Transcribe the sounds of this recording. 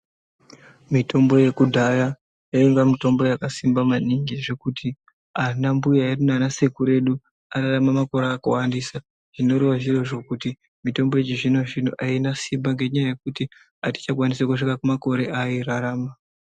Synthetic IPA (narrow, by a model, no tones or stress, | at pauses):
mitʰo̞mbo̞je̞kudʱaja | jaiŋɡamito̞mbo̞jakasimbamaniŋɡiʐe̞kutʰi | anambujairunanase̞kuɾe̞ɗu | aɾaramamako̞ɾeaːkawandisa | ʐ̥ino̞ɾewaʐiro̞ʐo̞kuti | mito̞mbo̞et͡ʃiʐino̞ʐin̤ṵʔainasimbaŋɡe̞ɲajaje̞kuti | ati̥t͡ʃak̬wanisakuʂikakumako̞ɾe̞ʔajiraɾaːma